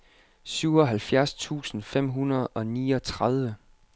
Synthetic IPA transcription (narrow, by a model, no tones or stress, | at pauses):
syʊ̰ɒɦælfjæɐst͡sʰṵːsn̩fem̰ɦunɐðˠɒ̽niːɒ̽t͡sʰʁað̞ˠʋə